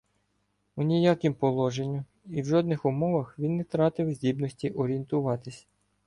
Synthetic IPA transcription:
unʲijakɪmpɔlˠɔʒenʲːʊ | iwʒɔd̪nɪxʊmɔʋɐxʋʲinːɛt̪ɾɑt̪ɪwzʲdʲibnɔsʲtʲiʔɔɾʲient̪ʊʋɑt̪ɪsʲ

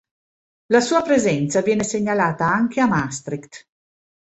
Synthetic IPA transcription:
lasuːapɾezɛnt̪savjɛːneseɲːalaːt̪aaŋk̟eamast̪ɾikt̪

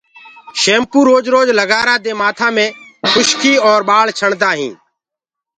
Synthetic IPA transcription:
ʃeːmpuːɾoːd͡ʒɾoːd͡ʒləɡaːɾaːd̪eːmaːt̪ʰãːmẽːxʊʃkiːɔːɾɓaːɭt͡ʃʰəɳd̪aːɦĩː

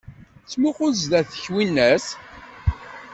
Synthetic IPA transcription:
t͡sːmuqʊzðæθə̥çwinːæs

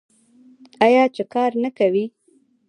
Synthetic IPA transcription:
ɑjɑt͡ʃekɑɾnakawi

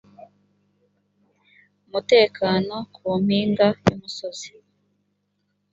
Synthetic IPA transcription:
muteːkʰanokwumiːŋɡajumusozi̥

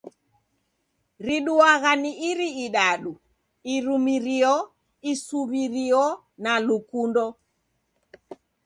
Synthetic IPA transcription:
ɾiɗuaɣaniʔiɾiiɗaɗu | iɾumiɾiɔ | isuβiɾiɔ | nalukundɔ

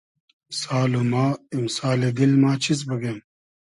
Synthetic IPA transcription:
saːlumaːimsaːleɡ̪ilmaːt͡ɕʰit͡s̬bɐɡem

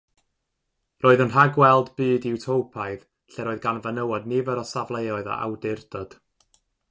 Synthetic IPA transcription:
roːɨðənraɡwɛlˠdbɨːdɪwtʰowpʰaɨð | ɬɛɾoːɨðɡanvənəwɔdnivəɾɔsavlˠejɔɨða̰ʔa̰wdɪrd̥ɔd̥

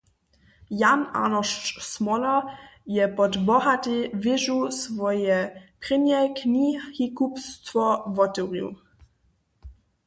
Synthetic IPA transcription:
jana̰nɔʃsmɔlɔjɛpɔdbɔɦatɪvɪʒusvɔjɛpʁɪnjɛknihikupst̪fɔvɔtuʁjṵ

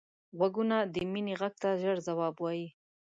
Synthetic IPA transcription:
ɣwaɡunad̪əmineɣaɡ̚t̪aʒəɽzawɑbwɑji

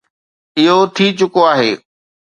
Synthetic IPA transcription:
ɪɦot̪ʰit͡ɕʊkoaːɦeː

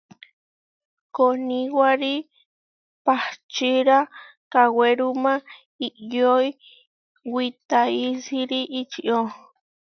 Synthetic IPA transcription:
konĩwaɾi | pat͡ʃiɾakaweɾumã | iʔjoi | wit̪aisiɾiʔit͡ʃiʔo

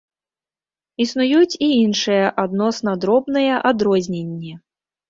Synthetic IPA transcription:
isnujut͡sʲiinʂɨjɛʔad̪nɔsnɐd̪ɾɔbnɨjɐʔad̪ɾɔzʲnʲenʲːɛ

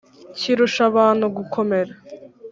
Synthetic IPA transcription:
ciɾuʃaβaːnhuɡukʰo̞me̞ɾa

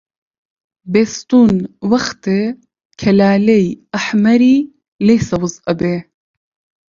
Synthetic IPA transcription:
beːst̪uːnwɐxt̪e | kʰɐlaːlejʔɐħmɐɾiː | lejsɐwɨzʔɐbeː

